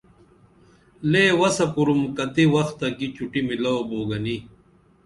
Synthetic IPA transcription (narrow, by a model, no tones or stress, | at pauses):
leːwɐsɐpuɾumkɐt̪iwɐxt̪ɐkit͡ɕuʈimilɐwoboːɡɐni